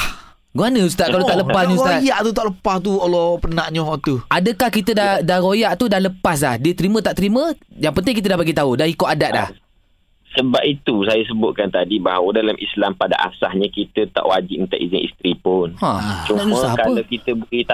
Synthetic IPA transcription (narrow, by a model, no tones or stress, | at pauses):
h | ɡuanəus̬t̪atkalot̪aʔləpasɲiutajaʔt̪ut̪aʔləpast̪uolɔpənaʔɲɔɦɔʔt̪uʔadəkahkit̪ədadaɾojaʔt̪udahləpas̬lahdiət̪əɾimə̃t̪aʔt̪ɾimə̃jaŋpənt̪̬ɪŋkit̪ədahbaɡit̪audaɦikoʔadaʔla̰h | səbap̚it̪usajas̬əbʊt̪̚kant̪adibaɦawədalamʔislampada̰ʔa̰sahɲakit̪ət̪a̰ʔwad͡ʒɪʔ̚mənt̪a̰ʔizɪŋḭst̪ɾipʊnã̰t͡ʃunaʔɲumsə̃ahkaəlawkit̪əbukit̪a